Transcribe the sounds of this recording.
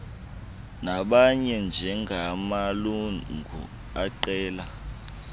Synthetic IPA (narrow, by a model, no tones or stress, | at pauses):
naɓaɲɛnd͡ʒʱɛŋʱamaluŋɡʱṵ | aǃɛːla